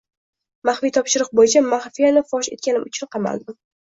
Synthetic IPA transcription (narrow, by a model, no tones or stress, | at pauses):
maχfijt̪ʰɒpʃɪɾɨq̚bojɪt͡ʃʰamaχfijalɪfɒʃe̞̰t̪̚kʲanɪmʊt͡ʃʰɪnqʰɑma̰lˠd̪ɪ